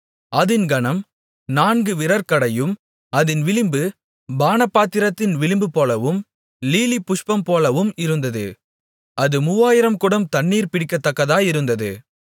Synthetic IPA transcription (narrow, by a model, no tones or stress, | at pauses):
ʔɐðɪnɡɐɳɐm | naːnɡɯʋɪɾɐɾkɐɽɐjɯm | ɐðɪnʋɪlɪmbɯ | baːnɐpːaːt̪ːɪɾɐt̪ːɪnʋɪlɪmbɯpoːlɐʋɯm | liːlipːʊʂpɐmpoːlɐʋɯmɪɾɯnd̪ɐðɯ̰ | ʔɐðɯmʊʋaːjɪɾɐmkʊɽɐmt̪ɐɳːiːɾpɪɽɪkːɐt̪ːɐkːɐðaːjɪɾɯnd̪ɐðɯ